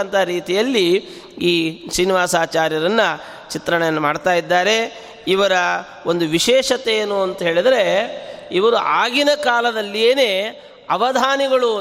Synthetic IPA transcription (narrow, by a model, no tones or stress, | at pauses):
ɐnt̪ʰaɾiːt̪ijɐlːi | iːsɾiːniʋaːsaːt͡ʃaːɾjɐɾɐnːɐ | t͡ʃit̪ɾɐɳejɐnːɐmaːɖt̪aːjid̪ːaːɾe̞ | iʋɐɾɐ | o̞nd̪uʋiʃɛːʂɐt̪ejeːnuɐnt̪ɐɦe̞ːɭid̪ɐɾe̞iʋɐɾuʔaːɡinɐkaːlɐd̪ɐlːijeːne̞ː | ɐʋɐd̪ʱaːniɡɐɭu